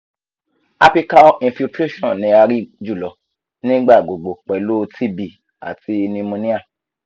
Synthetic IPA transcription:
a˧pi˧ka˧ɔ˦ĩ˧fi˧tɾe˦ʃɔ̃˦˨nĩ˨˧a˧ɾi˦d͡ʒu˦˨lɔ˨ | nĩ˦ɡ͡ba˦˨ɡ͡bo˨ɡ͡bo˨k͡pɛ˨lo˦tʰi˦bi˦˨ | a̰˨ti˧˦˧nĩ˧mũ˧nĩ˦a˦˨

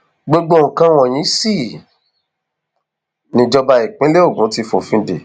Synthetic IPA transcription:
ɡ͡bo˦˧ɡ͡bo˦o˨ŋ̩˨kã˧w̃ɔ̃˨j̃ĩ˨˦si˦˨ | nĩ˧d͡ʒɔ˧ba˧i˨k͡pĩ˨˦le˦o˦˨ɡũ˨˦ti˧fo˨fĩ˧˦dḛ˨

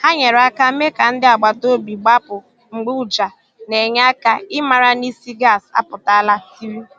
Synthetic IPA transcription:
ha˦ɲe˨ɾa˦ka˦me˦ka˨n̩˦dɪ˦a˨ɡ͡ba˨to˦bi˨ɡ͡ba˦pʊ˨ | ŋ͡m̩˨ɡ͡bu˦d͡ʒa˨ | ne˨ɲ˦a˦ka˦ɪ˦ma˨ɾa˦ni˦si˦ɡa˦˨sa̰˦pʊ˨ta˦la˦si˦ɾi˦

